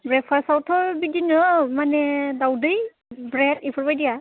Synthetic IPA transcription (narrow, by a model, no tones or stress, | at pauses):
bɹɛpʰasawtʰɔɹbidinɯmanɛdawdɯj | bɹɛtipʰɔɹbajdija